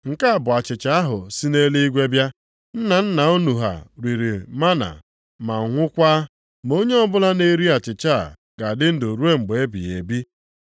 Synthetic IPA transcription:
ŋ̩˨ka˦a˨bʊ˨a˨t͡ʃɪ˨t͡ʃa˨a˦ɦʊ˨si˦ne˦le˦i˦ɡʷe˦bja˦ | n̩˦na˨n̩˦na˨o˦nu˨ɦa̰˨ɾi˨ɾi˨ma˦na̰˨ | ma˨ŋʷʊ˦kʷa˦ | mo˦ɲe˦ɔ˦bʊ˦la˦ne˦ɾi˦a˨t͡ʃɪ˨t͡ʃa̰˦˨ | ɡ̥a˨dɪ˦n̩˦do˨ɾu˦e˦ŋ͡m̩˨ɡ͡be˨e˦bḭ˨e˨bi˦

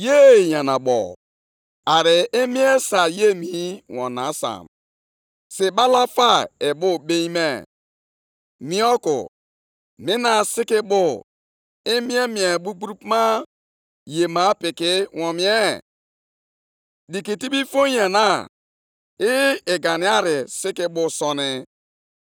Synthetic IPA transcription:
je˦˨ja˨na˨ɓɔ̰˨ | a˨ɾɪ˨ɪ˦mi˦e˦sa˨je˦mi˦wɔ̰˨na˨˦sa̰˨m | si˨ɓa˦la˦fa˦ɪ˨bʊ˦be˦ɲi˦me˨ | mi˦ɔ˦kʊ̰˨ | mĩ˦na˨sɪ˦kɪ˦bʊ˦ | i˦mi˦e˦mi˨e˨bu˦ɡ͡bu˦ɾu˦pma˦ | je˨ma˦pɪ˨kɪ˦wɔ̃˨mi˨˦e˦ | di˨ki˨ti˦bi˦fo˦ja˨na˦˨ | ɪ˦ɪ˨ɡa˨ni˨a˦ɾɪ˨sɪ˦kɪ˦bʊ˨sɔ˨nɪ˦

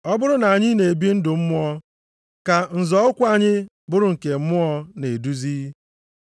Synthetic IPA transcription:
ɔ˦bʊ˦ɾʊ˦na˨a˨ɲɪ˦ne˨e˨bi˦n̩˦dʊ˨m̩˦mʊ˦ɔ˦ | ka˨n̩˨zɔ˦ʊ˦kʷa˨ɲɪ˦ | bʊ˦ɾʊ˨ŋ̩˨ke˨m̩˦mʊ˦ɔ˦ne˨du˦ziː˦

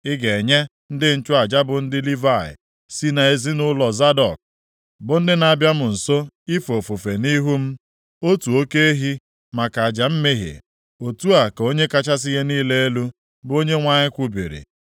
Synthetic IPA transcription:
ɪ˦ɡe˨ɲe˦ | n̩˦dɪ˦n̩˨t͡ʃʊ˦a˨d͡ʒa˦bʊ˨n̩˦dɪ˦li˦va˨ɪ̰˨ | si˦na˨e˨zi˦nʊ˦lɔ˨za˦dɔ˨k̚ | bʊ˨n̩˦dɪ˦na˨bja˦mʊ˨n̩˨so˦ | i˦fo˨fu˨fe˨ni˦ɦu˦m̩˦ | o˦tu˨o˦ke˦e˦ɦi˦ | ma˨ka˨a˨d͡ʒa˨m̩˦me˦ɦḛ˨ | o˨tu˦a˨ko˦ɲe˦ka˦t͡ʃa˦s̬ɪ˦ɣe˦niː˦le˦e˦lu˦ | bʊ˦o˦ɲe˦ŋʷa˦ɲɪ˦kʷu˦bḭ˨ɾḭ˨

